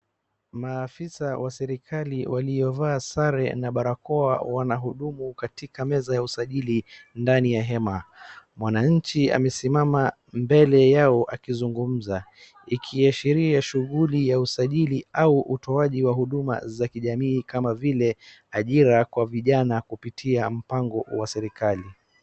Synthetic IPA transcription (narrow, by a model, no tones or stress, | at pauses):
maːfisawasɛɾikʰaliwʔalijɔvaːsaɾɛnaɓaɾakɔawanaɦuɗumukatikamɛzajausaʄilindanijaɦɛmamwanaɲ̩t͡ʃia̰mɛsimama | mbɛlɛjaɔʔakizuŋɡum̩za | ikʰiaʃiɾiaʃuɣulijausaʄiliauʔutɔaʄiwaɦuɗuma̰zakiʄamiːkamavilɛ | aʄiɾakwaviʄanakupitʰiam̩paŋɡɔwasɛɾikali